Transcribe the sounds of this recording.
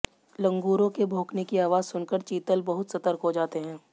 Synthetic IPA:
lɐ̃ŋɡuːɾõkebʱoːknekiaːʋaːzsʊnkəɾt͡ʃiːt̪əlbɐɦʊt̪sɐt̪əɾkɦod͡ʒaːt̪eɦɛ̃ː

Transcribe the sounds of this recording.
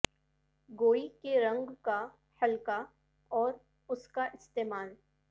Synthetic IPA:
ɡoːikeɾɐ̃ŋɡka | hɐlka | ɔːɾ | ʊskaʔɪst̪eːmaːl

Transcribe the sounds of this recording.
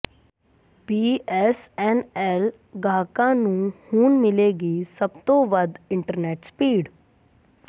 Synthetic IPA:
biːɛsɛːnɛːl | ɡʱaːkãːnũːhuːnmɪleːɡiːsəbt̪oːʋəd̪ɪ̃ɳʈəɾneːʈspiːɖ

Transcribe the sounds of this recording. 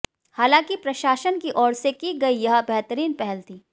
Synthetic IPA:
haːlãːkipɾɐʃaːʃənkiʔɔːɾsekiɡɐijɐɦbɛɦt̪əɾiːnpɛɦɛlt̪iː

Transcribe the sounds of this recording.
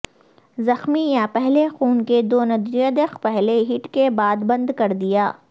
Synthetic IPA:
zɐxmijapɛɦlexuːnked̪oːnɐd̪ɾjəd̪expɛɦleɦɪʈkebaːd̪bɐ̃nd̪kɐɾd̪ijaː

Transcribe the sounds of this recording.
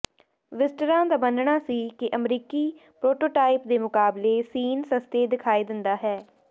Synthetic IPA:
ʋɪsʈəɾãːd̪aːbənɳaːsiːkɪʔəmɾiːkiːpɾoːʈoːʈaːɪp̚d̪eːmʊkaːbleːsiːnsəst̪eːd̪ɪkʰaːiːd̪ɪnd̪aːɦɛː

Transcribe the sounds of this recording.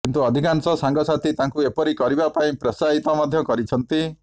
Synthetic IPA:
kint̪uɔd̪ʱikansɔsaŋɡɔsat̪ʰit̪aŋkuepɔɾikɔɾibapaĩpɾɔsaɦit̪ɔmɔd̪ʱjɔkɔɾit͡ʃʰɔnt̪i

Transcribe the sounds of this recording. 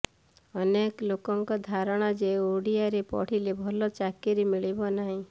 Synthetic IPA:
ɔneklokɔŋkɔd̪ʱaɾɔɽ̃ɔd͡ʒeoɽijaɾepɔ̰ɽ̤ilebʱɔlɔt͡ʃakeɾemiɭibɔnaɦĩ

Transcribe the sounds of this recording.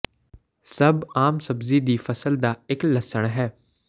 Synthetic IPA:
sɐbaːmsɐbzid̪iːfɐsəld̪aːɪklɐsəɽ̃ɦɛː

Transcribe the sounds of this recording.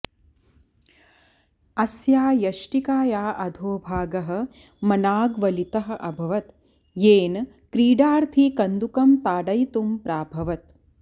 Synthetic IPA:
ɐsjaːjɐʃʈikaːjaːʔɐd̪ʱoːbʱaːɡɐɦɐ̆ | mɐnaːɡʋɐlit̪ɐɦɐ̆ʔɐbʱɐʋɐt̪ | jeːn | kɾiːɖaːɾt̪ʰikɐnd̪ukɐmt̪aːɖɐjt̪umpɾaːbʱɐʋɐt̪̚

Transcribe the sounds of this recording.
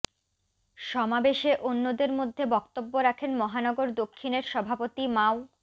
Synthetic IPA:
ʃɔmabeʃeʔonːod̪eɾmod̪ʱːebɔkt̪obːoɾakʰenmɔɦanɔɡoɾd̪okʰːineɾʃɔbʱapot̪imao

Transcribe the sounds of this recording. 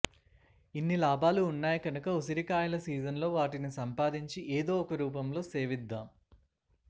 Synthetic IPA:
inːilaːbʱaːluːnːaːjɐkɐnukɐusɐɾikaːjɐlɐsiːd͡ʒɐnlo̞ːʋaːʈinisɐmpaːd̪iɲt͡ʃiʔeːd̪o̞ːɔkɐɾuːp̬ɐmlo̞ːseːʋid̪ːaːm

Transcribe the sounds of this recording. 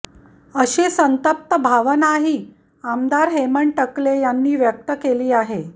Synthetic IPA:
əɕiːsənt̪əp̚t̪əbʱaʋənaɦiː | amd̪aɾɦeməɳʈəklejanːiːʋjək̚t̪əkeliːaɦe

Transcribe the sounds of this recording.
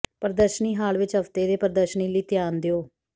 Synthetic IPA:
pəɾəd̪əʃəniːɦaːlʋɪt͡ʃɦəft̪eːd̪eːpəɾd̪əʃəniːliːt̪ɪjaːnd̪ɪoː

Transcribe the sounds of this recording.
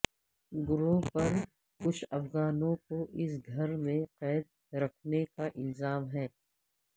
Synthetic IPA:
ɡʊɾoːpɐɾ | kʊt͡ʃʰɐfɣaːnõkoʔɪs̬ɡʱɐɾmẽqɛːd̪̚ | ɾɐkʰnekaʔɪlzaːmɦɛː

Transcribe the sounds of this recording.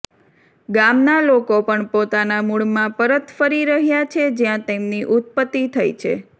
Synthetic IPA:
ɡamnalokopəɳpot̪anamuɭmãpəɾət̪fəɾiɾəɦjat͡ʃʰed͡ʒjãt̪emniʔut̪̚pət̪ːit̪ʰajt͡ʃʰḛ

